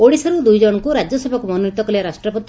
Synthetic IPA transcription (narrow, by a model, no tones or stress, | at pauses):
oɽisɔɾud̪ujd͡ʒɔɽ̃ɔkuɾad͡ʒjɔsebʱɔkumɔnunit̪ɔkɔliaɾasʈɾɔpɔt̪